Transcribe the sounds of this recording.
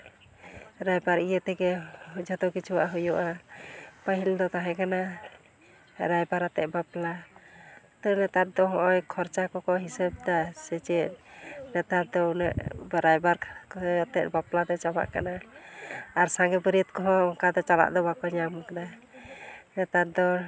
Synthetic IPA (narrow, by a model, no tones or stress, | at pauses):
ɾajbaɾijət̪ɛɡɛd͡ʒɔt̪ɔkit͡ʃuwa̰ʔɦujɔʔa | pəɦild̪ɔt̪aɦɛ̃kana | ɾajbaɾat̪ɛʔ̪̚bapla | t̪ɔnɛt̪at̪̚d̪ɔɦɔ̃ʔɔjkʰɔɾt͡ʃakɔkɔɦisəb̚d̪asɛt͡ʃɛʔ̚nɛt̪ad̪ɔunɛ̰ʔbɾajbaɾkat̪ɛt̪̚baplad̪ɛt͡ʃama̰ʔkanaː | ɾsaŋɡɛbəɾit̪kɔɦɔ̃ɔŋkad̪ɔt͡ʃala̰ʔd̪ɔbakɔɲamkana | nɛt̪at̪̚d̪ɔ